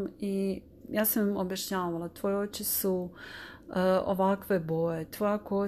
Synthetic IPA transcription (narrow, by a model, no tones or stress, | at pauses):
i | jaːsammobjaʃɲaːʋalˠat̪ʋoːjeot͡ʃisu | o̰ʋakʋe̞bo̞jet̪ojako